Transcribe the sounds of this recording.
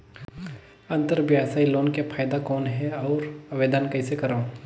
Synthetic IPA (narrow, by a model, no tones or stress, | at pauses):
ɐ̃nt̪əɾbjaːsaːiloːnkepʰaːjd̪akɔːnɦɛɔːɾɐʋeːd̪ənkɐɪsekɐɾã